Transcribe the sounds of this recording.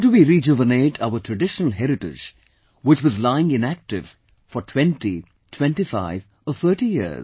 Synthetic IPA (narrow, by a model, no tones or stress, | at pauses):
duwiɾid͡ʒʊvəneʈʰaʊətʰɹɨɖɪʃənəl̩ˠɦɛɾɪʈɪ̰d͡ʒ | wɪt͡ʃwʌzlaɪɪ̃ŋɪ̃næk̚ʈɪv̥ | fɔɾtʰw̥ɛ̃nti | tʰwɛ̃ntifa̰ɪv | əθə˞ʈijɪ̰z